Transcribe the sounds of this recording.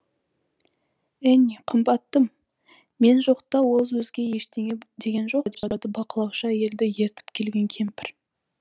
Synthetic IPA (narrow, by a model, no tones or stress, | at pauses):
æniqʰəmbɑt̪ːəmː | e̞nʒo̞qt̪ɑwo̞lˠwɵzɡʲe̞je̞ʃt̪eed̪e̞ɡʲe̞nʒo̞qd̪d̪əbɑqəlˠɑwʃəje̞ld̪ɪje̞ɾt̪ɪ̥pkʲʰe̞lɡʲe̞ŋkʲʰe̞mpɪɾ